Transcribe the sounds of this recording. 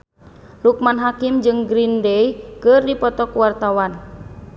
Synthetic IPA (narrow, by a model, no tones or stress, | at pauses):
luk̚manɦakimd͡ʒɨŋɡɾindɛjkɨrdipɔt̪ɔkwart̪awan